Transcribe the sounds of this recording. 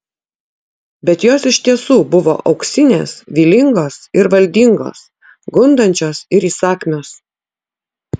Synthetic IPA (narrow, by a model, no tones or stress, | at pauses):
bʲɛt̪joːsɪʃʲt̪ʲiɛsuːbʊʋo̰ːʔɒʊksʲɪnʲḛːsʋʲiːlʲɪŋɡoːsɪɾʋɐlʲd̪ʲɪŋɡo̰ːs | ɡʊnd̪ɐnʲt͡ʃʲoːsɪɾiːsɑːkʲmʲoːs